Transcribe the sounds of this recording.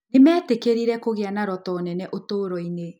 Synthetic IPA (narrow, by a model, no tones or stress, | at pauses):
nemɛːtekeɾiɾɛkoɣeanaɾɔtɔːnɛnɛʔotoːɾɔine